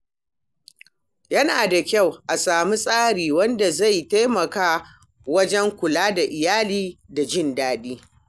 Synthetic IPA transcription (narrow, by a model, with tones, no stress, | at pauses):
jɐ˦naː˨da˨kʲa˦˨wʔa˨saː˨mu˦sʼaː˦ɽiː˨wɐ˦nda˨za˦˨jta˦jmɐ˨kaː˦ | wɐ˦d͡ʒɛ˦ŋkʷʊ˨laː˦da˨ʔɪ˨jaː˦liː˦da˨d͡ʒɪ˦˨ndaː˦ɗiː˦